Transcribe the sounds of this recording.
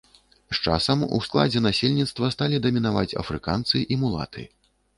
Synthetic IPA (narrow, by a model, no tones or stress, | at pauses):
st͡ʂa̰sɐmṵsklˠa̰d͡zʲɛnasʲelʲnʲit̪st̪vɐst̪alʲid̪ɐmʲinava̰t͡sʲɐ̰fɾɨka̰nt̪sɨʔimulˠa̰t̪ɨ̰